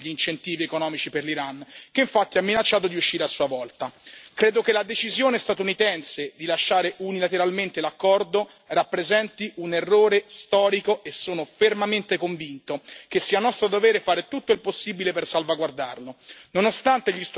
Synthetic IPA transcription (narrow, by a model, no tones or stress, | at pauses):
ʎiint͡ʃent̪iːviekonɔːmit͡ʃiperliɾank̟eiɱfat̪ːiamːinat͡ʃːaːt̪̬od̪iuʃːiːɾeasːuːavɔlt̪akɾeːd̪okelad̪et͡ʃizjoːnest̪at̪unit̪ɛnsed̪ilaʃːaːɾeʔunilat̪eɾalment̪elakːɔrd̪o | rapːɾezɛnt̪iʔunerːoːɾest̪ɔːɾikoesːoːnofermament̪ekoɱvint̪okesːiːanɔst̪ɾod̪ovɛːɾefaːɾet̪ut̪ːoilposːibilepersalvaɡward̪a̰rlononost̪ant̪eʎist̪